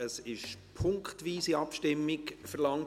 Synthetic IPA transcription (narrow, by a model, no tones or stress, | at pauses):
əsɪʃpʰʊŋkχtʋiːsiɑpʃtɪmːɪkfəɾlɑŋ